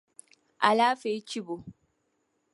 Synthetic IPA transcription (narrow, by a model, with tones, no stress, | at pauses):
ʔa˨laː˦fe˨˦t͡ʃɪ˦bo˨